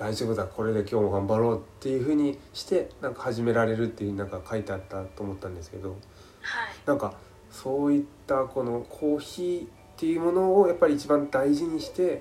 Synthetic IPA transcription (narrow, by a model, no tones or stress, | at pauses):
d̪aiʑoːbɯ̟zakʰo̞ɾe̞d̪e̞kʲo̞ːmoɡãmbaɾo̞ːt̪ːe̞jɯ̟ɸɯ̟ːɲ̟iɕi̥t̪e̞nãŋkḁhaʑime̞ɾaɾe̞ɾɯ̟t̪ːei̟ɯ̟inãŋkakait̪e̞at̪ːat̪ːo̞ːmo̞t̪ːãnd̪e̞sɨ̥ke̞d̪o̞ | hanãŋka | so̞ːit̪ːako̞no̞kʰo̞ːçiː | t̪ːe̞jɯ̟ːmo̞no̞ːjapːaɾʲiːt͡ɕibãnd̪aiʑiɲ̟iɕi̥t̪e̞